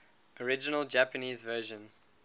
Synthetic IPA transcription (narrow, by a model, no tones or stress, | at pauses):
ɔɹɪd͡ʒənəlˠd͡ʒæpəniːzvɜːʒə̃n